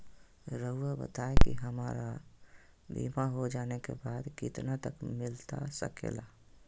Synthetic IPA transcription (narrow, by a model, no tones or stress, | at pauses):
ɾəuəbə̰t̪aekḭɦəmaɾa | bḭmaɦod͡ʒaːnekḛbaːd̪kɪt̪nat̪əkmɪlt̪a̰sə̰kḛla